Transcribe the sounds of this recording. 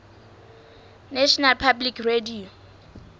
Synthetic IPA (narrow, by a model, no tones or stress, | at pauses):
nɛʃɔnalpʰablikredio